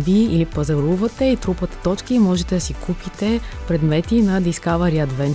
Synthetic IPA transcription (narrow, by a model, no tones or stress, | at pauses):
viilipɐzɐɾuvɐt̪ɛit̪ɾupət̪ɐ̥t̪ɔt͡ʃkimɔʒɛt̪ɛd̪ɐsikʰupit̪ɛpɾɛd̪mɛt̪inɐd̪iskavɐɾiɐd̪vɛn